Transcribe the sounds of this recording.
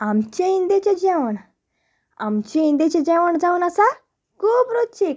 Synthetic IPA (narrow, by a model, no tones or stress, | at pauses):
amt͡ɕẽind̪et͡ɕed͡ʑɛʋəɳ | a̰mt͡ɕẽind̪et͡ɕed͡ʑɛʋəɳd͡zaunasa | kʰuːpɾut̪t͡ɕʰik